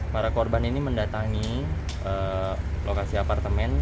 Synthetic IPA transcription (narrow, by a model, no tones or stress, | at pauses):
paɾakorbaniniməndat̪aŋi | ə | lokasiapart̪əmɛn